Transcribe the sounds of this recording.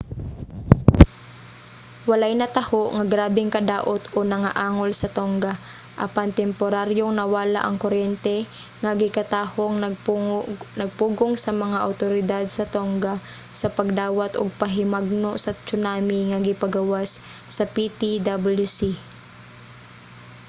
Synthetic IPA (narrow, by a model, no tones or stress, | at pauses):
wɐlajnɐt̪ɐhoʔŋɐɡɾaːbɛŋkɐd̪aːʔot̪ʔonɐŋaʔaːŋolsɐt̪oŋɡa | ʔɐpant̪ɛmpoɾaɾjoŋnɐwaːla̰ʔɐŋkoɾjɛnt̪ɛ | ŋɐɡɪkɐt̪aːhoŋ | nɐɡ̚puːɡoŋsɐmɐŋaʔɐwt̪oɾɪd̪ad̪̚sɐt̪oŋɡa | sɐpɐɡ̚d̪aːwɐt̪ʔo̰ɡ̚pɐɦɪmaɡ̚noʔsɐt͡ʃʊnaːmɪŋɐɡɪpɐɡɐwasː | ɐpit̪id̪abuljusi